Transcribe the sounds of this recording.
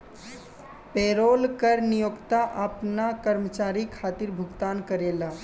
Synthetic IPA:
peːɾoːlkəɾnijoːkt̪aʔapnakəɾmət͡ʃaːɾikʰaːt̪iɾbʱʊɡt̪aːnkəɾeːlaː

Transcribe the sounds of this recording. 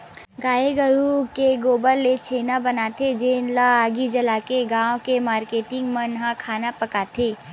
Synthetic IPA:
ɡaːeɡəɾukeɡoːbəlːet͡ʃʰeːnabɐnaːt̪ʰed͡ʒeːnlaaːɡid͡ʒɐlaːkeɡãːõkemaːɾkeːʈɪ̃ŋɡmənɦakʰaːnapɐkat̪ʰeː

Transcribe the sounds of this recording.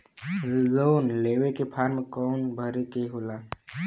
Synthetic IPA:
zoːnleːʋekepʰaːɾmkɔːnbʱəɾekeɦolaː

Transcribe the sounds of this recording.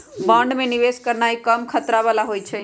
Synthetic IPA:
bãɳɖmẽniʋeskəɾnaikəmkʰət̪ɾaʋalaɦojt͡ʃʰɛ

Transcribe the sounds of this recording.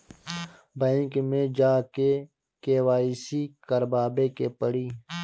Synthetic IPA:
bə̃ːŋkmẽd͡ʒaːke | keːwaːisikəɾbaːbekepəɽiː

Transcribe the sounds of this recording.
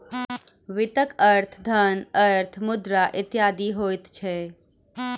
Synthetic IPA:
ʋɪt̪əkəɾt̪ʰd̪ʱənəɾt̪ʰmʊd̪ɾaʔɪt̪jaːd̪iɦoːɪt̪t͡ʃʰe

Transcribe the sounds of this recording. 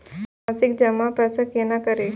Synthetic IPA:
asikd͡ʒəmapɾəsəkjenakəɾe

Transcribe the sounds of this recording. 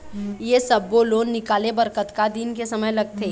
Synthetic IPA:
jesəbːoloːnːɪkaːlebɐɾkət̪kad̪inkesɐməjlɐɡ̚t̪ʰeː

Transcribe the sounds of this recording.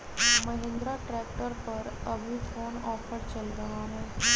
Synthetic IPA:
məɦẽnd̪ɾaʈɾæk̚ʈəɾpəɾəbʱifʰonɔfəɾt͡ɕəld̪əɦãɦẽ

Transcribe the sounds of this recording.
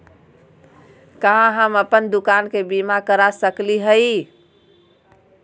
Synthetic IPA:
kaɦãɦəməpənd̪ukankebimakəɾasəkliɦəi

